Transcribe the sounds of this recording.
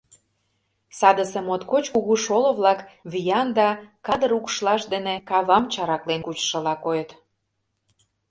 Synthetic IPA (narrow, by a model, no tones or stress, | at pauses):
sɑd̪əsemot̪kot͡ɕkuɣuʃolŏβlɑkβijɑnd̪ɑkɑd̪ə̆ɾukʃlɑʃd̪enĕkɑβɑmt͡ɕɑɾɑklenkut͡ɕʃə̆lɑkojət̪